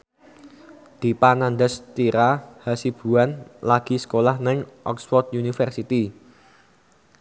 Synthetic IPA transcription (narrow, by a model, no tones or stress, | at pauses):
d̪̥i̤panand̪əst̪iɾahasib̥ṳanlaɡ̥i̤sə̥kolahnɪŋʔɔ̰ksfɔrd̪̚unifərsit̪i